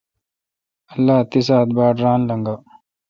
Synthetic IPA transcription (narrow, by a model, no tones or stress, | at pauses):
ɐlːaːt̪is̬aːt̪baːʈɾaːnlɐŋɡaː